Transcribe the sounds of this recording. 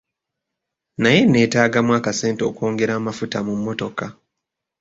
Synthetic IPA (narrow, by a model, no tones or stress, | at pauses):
naje̞ne̞ːtaːɡamwaːkase̞ːnteoːko̞ːŋɡe̞ɾaːmafutamumːo̞to̞ka